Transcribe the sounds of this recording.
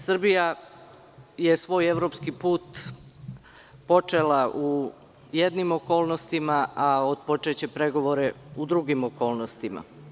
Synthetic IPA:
sr̩bija | je̞sʋo̞ːje̞ʋɾo̞pskipuːt̪ | po̞t͡ʂelaʔu | jed̪nimo̞ko̞ːlˠno̞st̪imaaod̪po̞t͡ʃet͡ɕe̞pɾe̞ɡo̞ʋo̞ɾe̞ud̪ɾuɡimokʰo̞ːlˠnost̪ima̰

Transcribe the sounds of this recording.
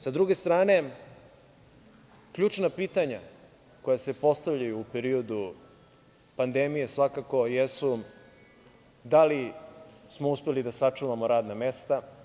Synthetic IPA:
sad̪ɾuɡe̞st̪ɾaːne̞ | kʎuːt͡ʂnapiːt̪aɲa | ko̞jase̞po̞st̪avʎajuːpeɾio̞d̪u | pand̪emijesʋakako̞jesu | d̪ali | smouspe̞lid̪asat͡ʂuʋamoɾaːd̪name̞st̪a

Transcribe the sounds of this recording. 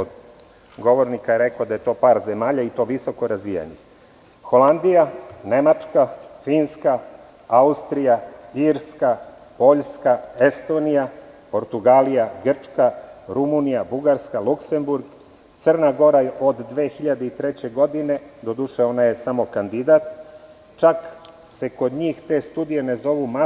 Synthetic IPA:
od̪ | ɡo̞ʋo̞ɾnikajeɾekod̪aje̞t̪o̞ːpaːɾze̞maːʎait̪o̞ːʋiso̞ko̞ɾazʋija̰ɲḛ | xo̞land̪ijane̞mat͡ʂkafiːnska | aust̪ɾijaiɾska | po̞ʎskae̞st̪o̞nija | po̞ɾt̪uɡaːlijaɡr̩t͡ʂkaɾumunijabuɡaɾskalukse̞mbuɾɡ | t̪sərnaɡo̞ɾaʔod̪ːʋeːxiʎad̪eit̪ɾet͡ɕe̞ɡo̞d̪ine̞d̪o̞d̪uʃeo̞naje̞samo̞kand̪id̪at̪ | t͡ʃak | se̞ko̞d̪ɲiːxt̪e̞ːst̪uːd̪ije̞ne̞zo̞ʋuma

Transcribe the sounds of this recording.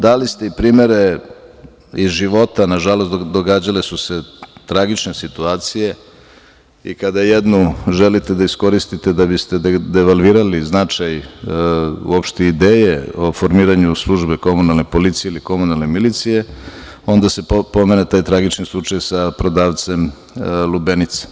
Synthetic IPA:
d̪alist̪e̞ipɾiːme̞ɾe̞ | izʒiʋo̞t̪anaʒalo̞st̪d̪o̞ɡaːd͡ʑale̞suse̞t̪ɾaɡit͡ʃne̞sit̪uaːt̪sije̞ | ḭkad̪ajed̪nuʒelit̪e̞d̪aisko̞ɾist̪it̪e̞d̪abist̪e̞d̪eʋalʋiːɾaliznat͡ʂaj | ṵopʃt̪eid̪eːjeo̞fo̞ɾmiːɾaɲuslˠuʒbeko̞munalnepo̞lit̪sijeiliko̞munalˠnemilit̪sije̞ | o̞nd̪ase̞po̞menet̪aːjt̪ɾaɡit͡ʃnislˠut͡ʂajsapɾo̞d̪aːʋt̪se̞m | lubenit̪se̥

